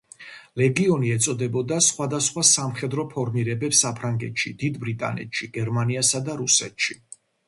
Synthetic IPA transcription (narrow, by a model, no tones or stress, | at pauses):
lɛɡiɔniɛt̪sʼɔd̪ɛbɔd̪asχwad̪asχwasamχɛd̪ɾɔpʰɔɾmiɾɛbɛpsapʰɾaŋɡɛ̰t̪ʃid̪̥id̪bɾit̪ʼa̰nɛ̰t̪ʃiɡɛɾmaniasad̪aɾusɛ̰t̪ʃi